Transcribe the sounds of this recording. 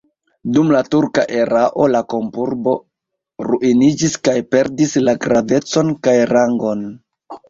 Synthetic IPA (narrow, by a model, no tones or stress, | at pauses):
dumlatuɾka̰ʔe̞ɾaʔo̞lako̞mpuɾbo̞ | ɾuʔinid͡ʒiskajpe̞ɾdislaɡɾave̞t͡so̞nkajɾaŋɡo̞n